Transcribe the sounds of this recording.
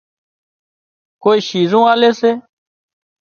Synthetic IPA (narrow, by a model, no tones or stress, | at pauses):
koːiːʃiːzũːaːleːseː